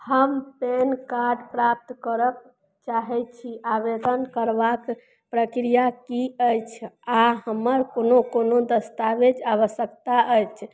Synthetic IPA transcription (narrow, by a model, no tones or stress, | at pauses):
həmpenkaɾɖpɾap̚t̪kəɾək̚ | t͡ʃaɦɛt͡ʃʰiabed̪ənkəɾbak | pɾəkɾijakiəjt͡ʃʰaɦəməɾkonokonod̪əst̪aʋed͡ʒaβəsəkt̪aʔəjt͡ʃʰ